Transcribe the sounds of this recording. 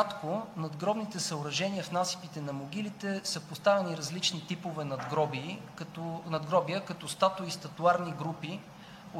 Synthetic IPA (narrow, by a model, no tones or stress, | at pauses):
at̪konɐd̪ɡɾɔbnit̪ɛsəʊɾɐʒɛniəfnasi̥pit̪ɛnɐmoɡ̟ilit̪ɛsɤpost̪avɛniɾɐzlit͡ʃnit̪ipovɛnɐd̪ɡɾɔbiːkt̪ɔnɐd̪ɡɾɔbiəkɐt̪ɔst̪at̪oist̪ɐt̪uaɾniɡɾupi